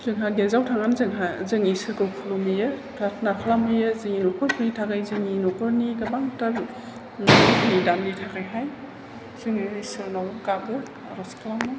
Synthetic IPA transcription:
zɯŋɦaɡezawtʰaŋanzɯŋɦazɯŋisɯɾɡɯwkʰɯlomɯjɯpɾatʰnakʰalamɯjɯzɯŋinɔkʰɔɾpʰunitʰaɡajzɯŋinɔkʰɔɾniɡabaŋtaɾ | ŋidanditʰakajɦaj | z̥ɯŋɯisɯɾnawkabɯ | aɾɔskʰlamɯ

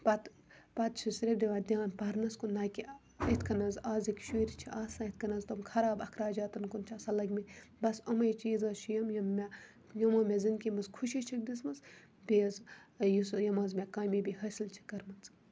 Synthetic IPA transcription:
pɐt̪ | pɐt̪̚t͡ʃʰisiɾid̪iʋaːd̪ʲiaːnpɐɾnɐskunːaːkʲi | it̪ʰkɐnɐnzaːzikʲʃiːɾit͡ʃʰiaːsaːit̪̚ʰkɐnɐzt̪ɐmkʰɐɾaːbɐkʰɾaːd͡ʒaːt̪ɐnkunt͡ʃʰasɐlɐɡmibɐsɐmɐjit͡ʃiːzɐt͡ʃʰijɐmjɐmːe | jɐmɐmezinkʲimɐzkʰuʃit͡ʃʰik̚d̪ismɐz | beːzjisjɐmɐzmʲekaːmibiɦɐsilt͡ʃʰi̥kɐɾmɐnt͡s

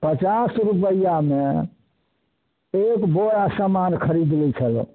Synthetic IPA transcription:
pət͡ʃasɾup̬əjame | ekboɾasamankʰəɾid̪lɛt͡ʃʰəl̰

